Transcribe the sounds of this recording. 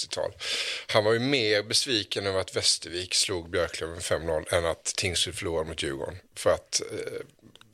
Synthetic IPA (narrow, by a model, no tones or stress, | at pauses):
ɪt̪ʰɑ̰ːlhanvaɾjɵmeːɾbɛsviːkənɔvat̪vɛst̪əɾviːksluːɡbjœɾkʰlœvɛfɛmːnɔlɛnat̪ʰːɪŋsʉd̪fœɭuːɾad̪əmʊt̪ʰjʉ̟ːɡɔ̰ɳfœɾat̪